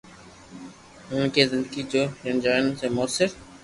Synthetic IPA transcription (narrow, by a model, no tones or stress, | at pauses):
ʊnkʰeːzɪ̃nd̪əɡid͡ʑoːʃənd͡ʒaːɪnseːmʊəsɪɾ